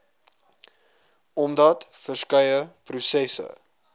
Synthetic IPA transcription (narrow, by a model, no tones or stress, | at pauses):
ɔmdɐtfərskœjəprusɛsə̰